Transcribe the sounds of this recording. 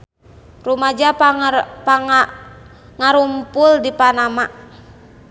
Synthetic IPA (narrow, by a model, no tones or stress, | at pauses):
rumad͡ʒa | pa | ŋaɾumpuldipanamaʔ